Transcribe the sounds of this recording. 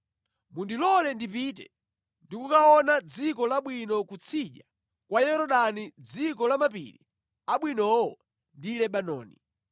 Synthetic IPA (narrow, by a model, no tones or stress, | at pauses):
mundilɔlɛndip̬iːt̬ɛ̰ | ndikukaɔnad͡zikɔlaɓwinɔkut͡sʰiʄa | kwajɛɾɔɗanid͡zikɔlamapḭlḭ | aɓwinɔɔ | ndilɛɓanɔ̰ːni